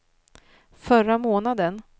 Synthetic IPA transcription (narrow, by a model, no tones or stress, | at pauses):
fœɾamoːnad̪ən